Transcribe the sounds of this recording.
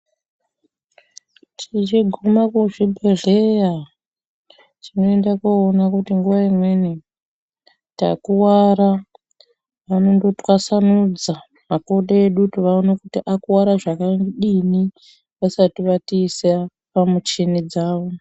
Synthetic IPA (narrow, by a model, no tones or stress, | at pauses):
tʰit͡ʃiɡʱumakuʐibʱereja | tino̞endakuːnakutiŋɡuʋaimwe̞ni | ta̰kuwaɾa | ʋano̞ndo̞twasanud͡za | mako̞ɗeɗutiʋaonakutiʔakuwaɾaʐakaŋɡiɗini | ʋasatiʋatiːsa | pamut͡ʃinid͡zaːʋo